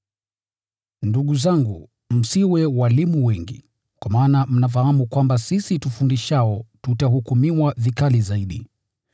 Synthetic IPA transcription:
nduɠuzaŋɡṵ | m̩siwɛwalimuwɛŋɡḭ | kwamaːnam̩nafahamukwambasisitufundiʃaɔtutahukumiwavikalizaiɗi

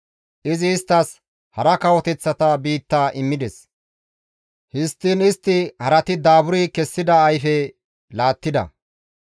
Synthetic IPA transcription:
ʔɪzɪːst̪ːɐs | hɐɾɐkɐwɔt̪ɛt͡sːɐt̪ɐbiːt̪ːaːʔɪmːɪd̪ɛs | hɪst̪ːiːnɪst̪ːɪhɐɾɐt̪ɪd̪aːbʊɾikɛsːɪd̪ɐːjfɛ | laːt̪ːɪd̪ɐ̰

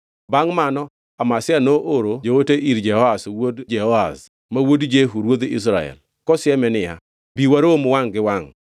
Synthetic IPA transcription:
baŋmanɔ | amasɪanoʔoɾod͡ʒowoteʔiɾd͡ʒɛhɔaswodd͡ʒɛhɔa̰s | mawodd͡ʒeɦuɾwod̪is̬ɾaɛ̰l | kɔsɪjɛmɛnɪja̰ | biwaɾomwaŋɡɪwaŋ

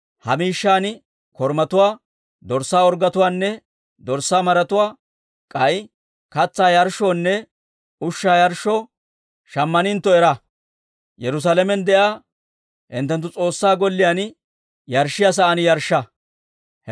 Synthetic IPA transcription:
hɐmiːʃːaːn | kɔɾmɐt̪ʊwaː | d̪ɔɾsːaːɔɾɡɐt̪ʊwaːnːɛ | d̪ɔɾsːaːmɐɾɐt̪ʊwaː | kʼɐj | kɐt͡sːaːjɐɾʃɔnːɛ | ʊʃːaːjɐɾʃːɔ | ʃɐmːɐnɪnt̪ːɔɛɾɐ | jɛɾʊs̬alɛmɛnd̪ɛʔaː | hɪ̰nt̪ːɛnt̪ːʊt͡sʼo̞ːsːaːɡɔlːɪjan | jɐɾʃːɪjas̬ɐʔɐnjɐɾʃːɐ

